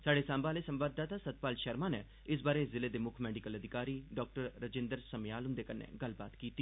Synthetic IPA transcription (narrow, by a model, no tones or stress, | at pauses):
saːɖeːsãːmbaːleːsəmʋaːd̪̚d̪aːt̪aːsət̪̚paːlʃəɾmãːne | ɪs̬baːɾeszɪleːd̪eːmʊkʰmɛːɖɪkələd̪ʱɪkaːɾiːɖɔːk̚ʈəɾːəd͡ʒɪ̃nd̪əɾsəmjaːlɦʊnd̪eːkənḛːɡəlba̰ːt̪kiːt̪iː